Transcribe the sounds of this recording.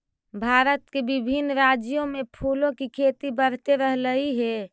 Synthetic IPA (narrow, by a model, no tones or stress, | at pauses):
bʱaɾət̪kebibʱinːɾad͡ʒijõmepʰulõkikʰet̪ibəɽ̤t̪eɾəɦləiɦe